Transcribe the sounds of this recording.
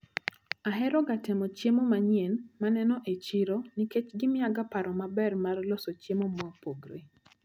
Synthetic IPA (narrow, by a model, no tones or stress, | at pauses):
aɦɛɾɔɡatɪmɔt͡ʃemomaɲjenmanɛnɔʔet͡ʃiɾoniket͡ʃɡɪmɪaɡapaɾɔmabɛrmarlosot͡ʃemomɔpoɡɾe